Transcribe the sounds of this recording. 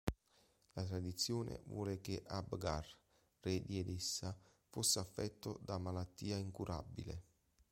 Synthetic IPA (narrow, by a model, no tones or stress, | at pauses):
lat̪ɾad̪it̪sːjoːnḛvwɔ̰ːlekeʔabɡar | red̪jɛd̪esːa | fosːafːɛt̪ːod̪amalat̪ːiːaiŋkuɾʔa̰bːḭlḛ